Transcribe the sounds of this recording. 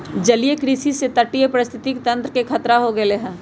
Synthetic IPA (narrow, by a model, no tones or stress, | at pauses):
d͡ʒɐlijekɾisiset̪ɐʈːiepɾɪst̪ʰɪt̪ikt̪ɐ̃nt̪ɾəkekʰɐt̪ɾaɦoɡɐeleɦɛ̃ː